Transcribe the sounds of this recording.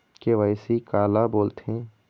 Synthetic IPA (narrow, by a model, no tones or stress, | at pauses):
keʋaɪsikaːlaboːlt̪ẽ